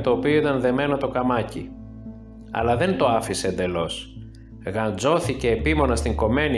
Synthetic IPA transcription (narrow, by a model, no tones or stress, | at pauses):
t̪oːpioit̪ɐnðe̞me̞no̞t̪o̞kɐmɐci | ɐ̰lɐðe̞nt̪o̞ɐfiseend̪e̞lo̞s | ɣɐnd͡zo̞θice̞ːpimo̞nɐst̪iŋɡo̞me̞ni